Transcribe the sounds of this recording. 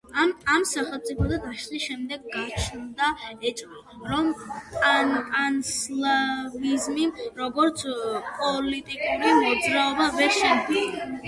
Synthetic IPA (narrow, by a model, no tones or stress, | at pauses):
aamsaχɛlˠmt̪ʼipʰɔd̪ad̪aʃliʃɛmd̪ɛɡːat͡ʃʰnd̪aɛt͡ʃʼɾi | ɾɔmʼanʼanslavizmimɾɔɡɔɾt̪sʰpʼɔlit̪ʼikʼuɾimɔd̪zɾaɔbavɛɾʃɛni